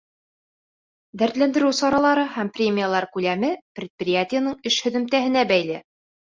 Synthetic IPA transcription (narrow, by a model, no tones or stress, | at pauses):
d̪æɾt̪lænd̪ɘ̆ɾʉwsɒɾɑlˠɑɾɤhæmprʲemʲɪjalˠɑɾkʉlæmɘprʲɪt̪̚prʲɪjatʲɪjənɤɴɘʃhɵ̆ðɘ̆mt̪æɦɘ̆næbæjlɘ